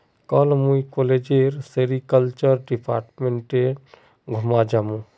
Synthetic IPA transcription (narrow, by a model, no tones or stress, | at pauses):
kɔlmujkoled͡ʒeɾseɾikəlt͡ʃəɾɖipʰa̰ːɾʈmeɳʈe | ɡʱumad͡ʒamũ